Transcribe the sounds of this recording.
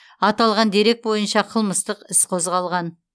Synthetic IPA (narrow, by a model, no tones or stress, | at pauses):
ɑt̪ɑlˠʁɑnd̪e̞ɾe̞k̚bo̞jənʃɑqʰəlˠməst̪əqɪsqʰo̞zʁɑlˠʁɑn